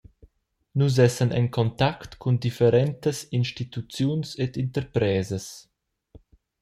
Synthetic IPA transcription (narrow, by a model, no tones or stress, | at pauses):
nuz̬ɛsənɛ̰ŋkʰɔnt̪akt̪kʰund̪ifəɾɛnt̪əsinʃtit̪ut͡sjunsed̪int̪əɾpɾɛːzəs